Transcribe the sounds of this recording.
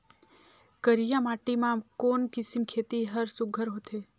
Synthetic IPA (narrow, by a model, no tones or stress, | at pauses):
kəɾijãmaːʈimãkoːnkɪsimkʰeːt̪iɦəɾsʊɡʱəɾɦot̪ʰe